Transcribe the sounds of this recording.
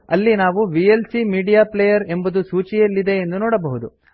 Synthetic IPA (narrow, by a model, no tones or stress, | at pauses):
ɐlːinaːʋuʋielsimiːɖijaːplejɐɾe̞mbɐd̪usuːt͡ʃijɐlːid̪e̞ːnd̪unoːɽɐbɐɦud̪u